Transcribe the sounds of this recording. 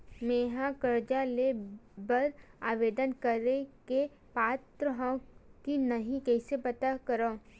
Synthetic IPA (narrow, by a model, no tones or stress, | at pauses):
meːɦãkəɾd͡ʒalebəɾaːʋeːd̪ənkəɾeke | paːt̪ɾəɦãkinɐɦĩkɛːsepɐt̪akɐɾõː